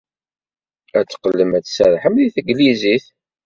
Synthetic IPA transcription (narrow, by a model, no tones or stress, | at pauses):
æt͡sːqːəlːəmæt͡sːsæɾˤħəmliθəɡliziθ